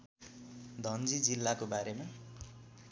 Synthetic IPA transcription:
d̪ʱʌnd͡zid͡zilːakobaɾema

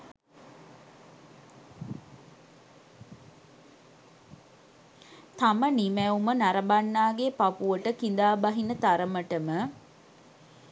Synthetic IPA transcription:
t̪amənimæumənaɾəbanːaːɡepapuʋəʈəkind̪aːbaɦinət̪aɾəməʈəmə

